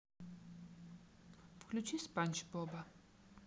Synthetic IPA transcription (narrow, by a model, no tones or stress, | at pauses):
fkʰlut͡ʃʰisbant͡ʃʰbɔba